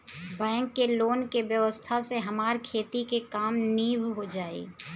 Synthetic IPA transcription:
bɛ̃ːŋkːeloːnkeʋjəʋəst̪ʰaseɦɐmaːɾkʰeːt̪ikekaːmniːʋɦod͡ʒaːḛː

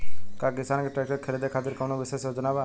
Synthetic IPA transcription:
kaːkɪsaːnkeʈɾɛːk̚ʈəɾkʰəɾiːd̪ekʰaːt̪ɪɾkəʋnõʋɪseːsjoːd͡ʒənaːʋaː

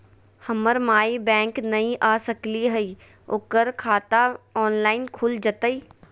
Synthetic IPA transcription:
hɐməɾmaːibɛ̃ːŋknɐĩʔaːsəkliɦɐi | ʊkəɾkʰaːt̪aɔːnlaːɪnkʰʊld͡ʒət̪əiː

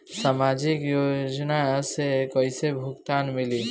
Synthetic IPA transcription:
samaːd͡ʒɪkjoːd͡ʒnasekəisebʱʊkt̪aːnmɪliː

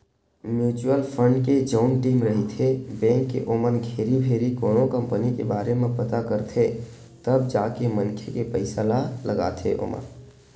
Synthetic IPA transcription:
mjut͡ʃuəlpʰəɳɖked͡ʒəʊnʈiːmɾəɦit̪ʰebɛ̃ŋkːḛʔoːmənɡʱeːɾibʱeːɾikoːnokəmpənikḛbaːɾemẽpət̪akəɾt̪ʰe | t̪əbd͡ʒaːkemənkʰekepəɪsalaləɡa̰t̪ʰḛʔo̰mə̰n

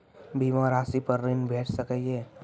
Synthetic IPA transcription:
bʱiːʋãɾaːsipəɾːinbʱeːʈʰsəkəeː

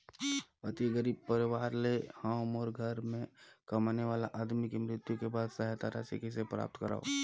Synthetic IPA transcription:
ɐt̪iɡəɾiːb̚pəɾɪʋaːɾlehaːʊmɔːɾɡʱɐɾmẽkɐmaːneʋaːlaʔaːd̪mikemɾɪt̪jukebaːd̪sɐɦjat̪aɾa̰ːsikisepɾa̰ːp̚t̪kəɾa̰ːo̰

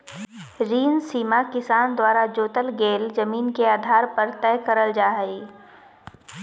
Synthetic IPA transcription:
ɾiːnsiːmakɪsaːnd̪waːɾad͡ʒoːt̪əlɡeːld͡ʒɐmiːnkeaːd̪ʱaːɾpɐɾt̪ɛːkəɾəld͡ʒaːɦəiː

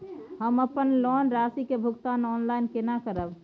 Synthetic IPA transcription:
ɦəməpənlɔnɾasikebʱukt̪anɔnlainkenakəɾəb

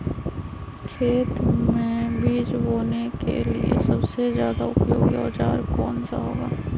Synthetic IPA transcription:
kʰeːt̪mẽbiːd͡ʒɦoːnekḛliḛsɐbsezjaːd̪aʊpjoːɡiɔ̰ːt͡ʃa̰ːɾkɔːnsa̰ɦoːɡaː

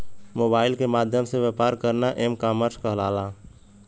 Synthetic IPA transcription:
moːbaːɪlkemaːd̪ʱjəmseʋeːpaːɾkəɾnaʔemkaːməɾskəɦlaːla

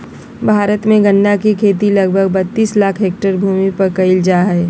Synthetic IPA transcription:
bʱaːɾət̪mẽɡɐnːjakikʰeːt̪ilɐɡbʱəɡ̚bɐt̪ːiːslaːkʰɦeːk̚ʈəɾbʱuːmipɐɾkɐɪld͡ʒaːɦɛː

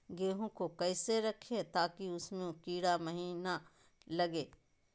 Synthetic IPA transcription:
ɡeːɦõkokɐɪseɾɐkʰet̪aːkiʊsmẽkiːɽamɐɦiːna | lɐɡeː

